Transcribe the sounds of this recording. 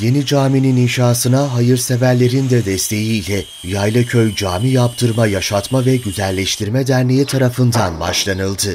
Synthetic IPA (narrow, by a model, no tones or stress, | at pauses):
je̞nid͡ʒaːminininʃaːsɯnaɦajɯɾse̞væɾlʲe̞ɾind̪ɛd̪ɛst̪ʰe̞jiːlʲɛ | jajlˠacʰøjd͡ʒaːmijapt̪ʰɯɾmajaʃat̪mavɛɟyzɛlʲːɛʃt̪ʰiɾmɛd̪æɾnejit̪ʰaɾafɯnd̪anba̰ʃlˠanɯlˠd̪ɯ